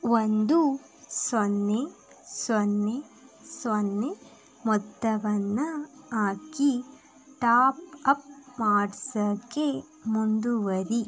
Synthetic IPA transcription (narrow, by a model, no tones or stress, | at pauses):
ʋond̪u | sɔnːe | sʋɔnːe | sʋɔnːe | mɔt̪ːɐʋɐnːɐaːki | ʈaːpɐp̚maːɖsɐkːe | mund̪uʋɐɾi